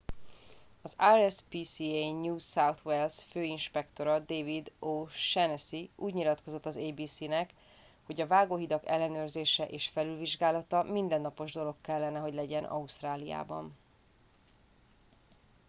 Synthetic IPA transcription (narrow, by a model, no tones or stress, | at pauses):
ɒzaːɾɛspiːsieɲuːsawt̪ʰʋɛlsføːinʃpɛkt̪o̞ɾɒd̪eːvid̪oːʃɛnɛsiuːɟɲilɒt̪ko̞zo̞t̪ːɒzeːbiːsinɛk | ho̞ɟɒvaːɡoːɦid̪ɒkɛ̰lːɛnøːrzeːʃɛʔeːʃfɛlylviʒɡaːlɒt̪ɒmind̪ɛnːɒpo̞ʒd̪o̞lo̞kːɛlːɛnɛɦo̞ɟlɛɟɛnʔɒ̰ust̪raːlija̰ːbɒ̰n